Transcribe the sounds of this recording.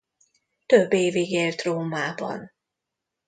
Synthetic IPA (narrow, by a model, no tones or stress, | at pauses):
t̪øbːeːviɡeːlt̪roːmaːbɒ̰n